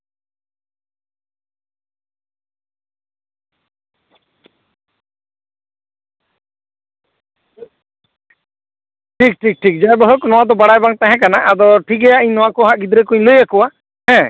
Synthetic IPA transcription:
ʈʰik̚ʈʰik̚ʈʰik̚d͡ʒaɛbɔɦəknɔwad̪ɔbaɽajbaŋt̪aɦɛ̃k̬anaʔad̪ɔʈʰikɛjaiɲnɔwakɔɦaʔɡid̪ɾɛkuɲləjakuwa | hɛ̃

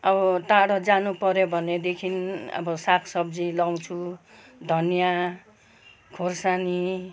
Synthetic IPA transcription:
ʌbʌt̪aɽʌd͡zanupʌɾobʱʌned̪ekʰinʌ̰bʌsakʰsʌbd͡zilaw̃t͡sʰu | d̪ʱʌnja | kʰorsani

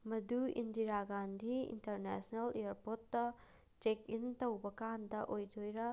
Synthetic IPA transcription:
mɐduḭndiɾaɡandiḭnteɾnḛsneleaɾpoɾtːɐ | t͡ʃekintɐwbɐkandɐʔojdʰojɾɐ

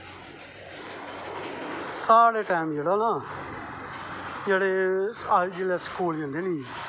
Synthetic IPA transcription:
saːɽeːʈaːɪmd͡ʒeːɽonaː | d͡ʒeːɽeːaːd͡ʒeːleːskuːld͡ʒãnd̪eːniː

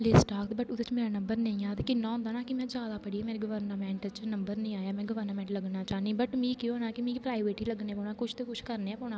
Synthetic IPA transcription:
leːsʈaːkt̪bəʈʊd̪ɪt͡ʃmeːɾaːnəmbəɾnə̃ĩːaːt̪ekɪnːãːɔ̃ːnd̪aːnaːkɪmɛ̃ːd͡ʒaːd̪aːpəɽiːɛːmeːɾeɡəʋəɾnəmɛ̃ːɳʈt͡ʃnəmbəɾnəĩːaːjaːmɛ̃ːɡəʋəɾnəmɛ̃ːɳʈləɡnaːt͡ʃaːniːbəʈmĩːkjõːnaːkɪmĩːpɾaːiʋeːʈiːləɡnẽːpoːnaːkʊt͡ʃʰt̪eːkʊt͡ʃʰkəɾneːɛːpoːnãː

